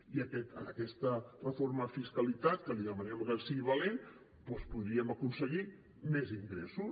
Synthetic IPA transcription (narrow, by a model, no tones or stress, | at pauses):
iəkɛt̪ə̰nəkɛst̪ərəforməfiskəlit̪at̪kəliðəmənɛmɣənsiɣiβɐlen | pɔspuðɾiəməkunsəɣi | meziŋɡɾesu